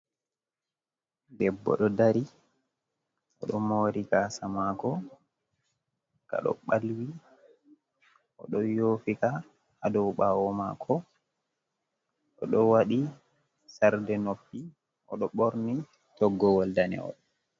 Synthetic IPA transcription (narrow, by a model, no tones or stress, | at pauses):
dɛbːɔ̰ɗɔdaɾi | ʔɔ̰ɗɔmoːɾikasamakɔ | ka̰ɗɔ̰ɓalwi | ʔɔɗɔjoːfikaː | dɔwɓawɔmakʰɔ | ʔɔɗɔwaɗi | saɾdɛnopːi | ʔɔ̰ɗɔɓoɾni | tɔɡːɔwɔldanɛ̰ɔ̰ɗ